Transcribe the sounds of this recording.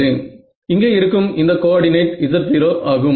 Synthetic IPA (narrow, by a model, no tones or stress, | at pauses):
eːn | ɪŋɡeːɪɾɯkːɯmɪnd̪ɐkoːɽɪnɐɪʈɪsɐɾt̪iːɾoːʔaːɣɯm